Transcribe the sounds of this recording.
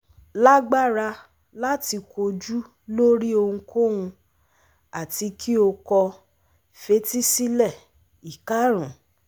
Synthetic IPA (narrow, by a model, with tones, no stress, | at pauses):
la˦ɡ͡ba˦˨ɾa˧ | la˦ti˧ko˧d͡ʒu˦ | lo˦ɾi˦o˧hũ˧ko˦hũ˧ | a˨ti˧kʰi˦o˧kɔ˧ | fe˦ti˦si˦lɛ˦˨ | i˨ka˦ɾ̃ũ˨